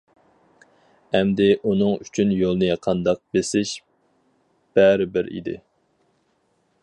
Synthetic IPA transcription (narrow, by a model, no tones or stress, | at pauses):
ɛmd̪ɪʔunɨŋyt͡ʃʰynjolˠnɨjɑqʰɑnd̪ɑq̚besɪʃ | b̥ɛɾɪbɪɾḭd̪ɪ̰